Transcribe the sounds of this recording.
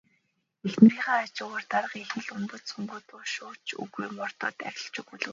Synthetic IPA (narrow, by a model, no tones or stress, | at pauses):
exnm̆riːχaːt͡ɕʊːʁə̆rt̪aɾə̆qexnɘ̆ɮʊmp̪ə̆suŋɡut̪ʊːʃʊːt͡ɕɵ̰ɣujmɔr̥t̪ɔ̰ːt̪æ̰ɾʲɪ̆ɬt͡ɕuɣuɮɘ̆